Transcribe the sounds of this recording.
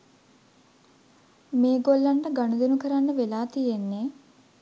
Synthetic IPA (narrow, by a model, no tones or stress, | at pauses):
meːɡolːɐɳɖɐɡɐɳud̪unukɐɾanːɐʋelaːt̪ijenːe